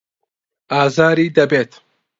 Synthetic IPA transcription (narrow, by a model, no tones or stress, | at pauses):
ʔaːzaːɾiːd̪ɐbeːt̪